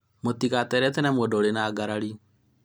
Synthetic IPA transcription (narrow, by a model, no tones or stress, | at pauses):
mot̪iɣatɛɾɛtɛnɛmwɛdɔoɾenaːɡaɾaɾi